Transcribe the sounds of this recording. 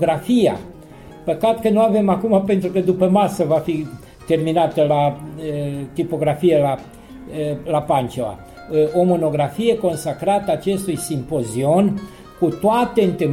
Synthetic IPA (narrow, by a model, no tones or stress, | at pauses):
ɡɾafija̰ | pəkat̪kənuave̞makumape̞nt̪ɾukəd̪upəmasəvafi | t̪e̞rminat̪əlaət̪ipo̞ɡɾafijela | lapant͡ʃeva̰ | o̞mo̞no̞ɡɾafije̞ko̞nsakɾat̪əaːt͡ʃe̞st̪ujsimpo̞zio̞n | kut̪oat̪e̞ɨnt̪ɨm